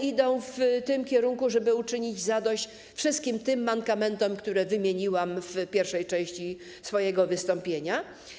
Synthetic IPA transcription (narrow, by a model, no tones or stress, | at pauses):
id̪ɔ̃w̃ft̪ɪmkʲɛɾuŋkuʐɛbɘut͡ʂɘɲid͡ʑzad̪ɔɕt͡ɕ | fʂɘst̪̚kʲimt̪ɘmːaŋkamɛnt̪ɔmkt̪uɾɛvɘmʲjeɲiwamfpʲjɛɾfʂɛjt͡ʂɛ̃w̃ɕt͡ɕi | sfɔjɛɡɔvɘst̪ɔmpʲjeɲa